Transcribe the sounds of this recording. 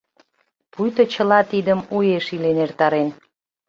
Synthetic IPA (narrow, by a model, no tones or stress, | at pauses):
pujt̪ə̆t͡ɕə̆lɑt̪id̪əmujeʃilenert̪ɑɾen